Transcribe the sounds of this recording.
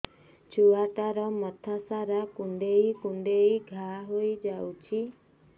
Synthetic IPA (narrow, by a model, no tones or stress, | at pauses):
t͡ʃʰuaʈaɾɔmɔt̪ʰasaɾakuɳɖejkuɳɖeiɡʱaɦojd͡ʒawt͡ʃʰi